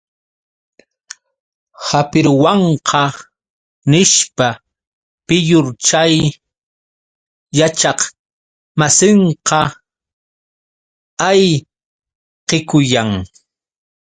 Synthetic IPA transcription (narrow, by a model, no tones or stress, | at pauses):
hapɪɾwɑɴqʰɑ | nɪʃpa | pɪjʊɾt͡ʃaj | jat͡ʃɑq | masɪɴqɑ | aj | qɪkʊjaŋ